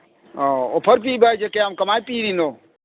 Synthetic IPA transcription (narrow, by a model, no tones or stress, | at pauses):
oopʰɐɾp̬iːbʱajd͡ʒekeamkɐmaːjpiːɾinoː